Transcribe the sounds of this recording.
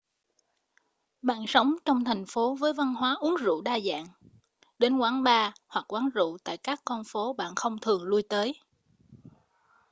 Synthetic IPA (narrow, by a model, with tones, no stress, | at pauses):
ɓa̰ː˧˨nsə˨˦wŋ͡mt͡ɕɔ˧wŋ͡mt̪ʰɛ˨˩jŋ̟fo˨˦vəː˨˦jva˧nɦwaː˨˦ʔu˨˦əŋzṵ˧˨ɗaː˧za̰ː˧˨ŋ | ɗe˨˦nkwaː˨˦nɓaː˧hwa˨˩k̚kwaː˨˦nzṵ˧˨t̪a̰ː˧˨jkaː˦˥kːɔ˧nfo˨˦ɓa̰ː˧˨nxə˧wŋ͡mt̪ʰɨ˨˩əŋlu˧əjt̪əː˨˦j